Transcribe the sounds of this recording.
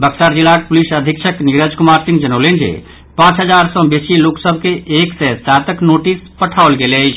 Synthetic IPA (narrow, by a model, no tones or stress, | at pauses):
bəksaɾd͡ʒilak̚pulisəd̪ʱikt͡ʃʰəkniɾəd͡ʒkumaɾsĩŋɡd͡ʒənəwlend͡ʒḛ | pãt͡ʃɦəd͡ʒaɾsə̃besiloksəbʱkeːksɛsat̪əknoʈispəʈʰawlɡelət͡ʃʰ